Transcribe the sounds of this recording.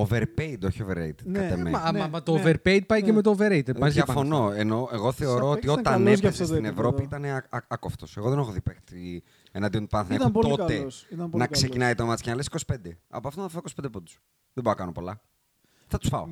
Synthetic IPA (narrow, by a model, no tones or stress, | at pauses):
oveɾpeid̪oçioveɾejt̪ekɐt̪emeɐt̪oveɾpejd̪̚pɐjcemet̪ooveɾejt̪epjɐfo̞noeno̞eɣo̞θe̞o̞ɾɾo̞ot̪io̞ɐnesstsinevɾo̞piit̪ɐneɐɐkoft̪ose̞ɣoðenexoðipexti | enɐnd̪iont̪pɐnθinɐtput̪o̞t̪eɐnɐkse̞cinɐijt̪omɐt̪scenɐlesi̥kosi̥pe̞nd̪eɐ̰poɐft̪onfɐoikosipend̪epod̪u̥s | ðeboɾɐkɐnopo̞lɐ | θɐt̪u̥sfɐo